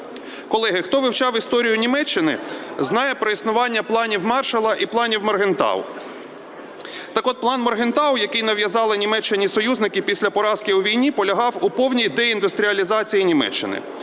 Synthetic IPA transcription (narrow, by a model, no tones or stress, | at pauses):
kɔlˠɛɦɪxt̪ɔʋɪwt͡ʃɑwist̪ɔɾʲijʊnʲimɛt͡ʃːɪnɪ̰znɑjɛpɾɔisnʊʋɑnʲːɐplˠɑnʲiwmɑrʃɐlˠɐʔiplˠɑnʲiwmɔrɦent̪ɑ̰w̰ | t̪ɑkɔd̪̚plˠɑnmɔrɦɪnt̪ɑwjɐkɪjnɐʋjɐzɑlˠɪnʲimɛt͡ʃːɪnʲisɔjuznɪkɪpʲisʲlʲɐpɔɾɑskɪʊʋʲijnʲipɔlʲɐɦɑwupɔwnʲijd̪ɛind̪ʊst̪ɾʲiɐlʲizɑt͡sʲijinʲimɛ̰t͡ʃːɪ̰nɪ̰